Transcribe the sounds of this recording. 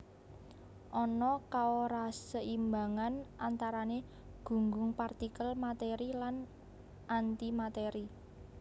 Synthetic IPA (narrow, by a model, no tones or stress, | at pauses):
ʔɔnɔkaoɾasəimbaŋanʔant̪aɾane | ɡ̥ṳŋɡʊŋpart̪ikəlmat̪eɾilan | ʔant̪imat̪eɾi